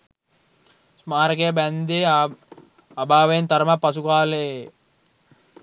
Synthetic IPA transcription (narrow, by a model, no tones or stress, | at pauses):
smaːɾəkejəbænd̪eː | abaːʋejnt̪ɐɾmapːɐsukaːlee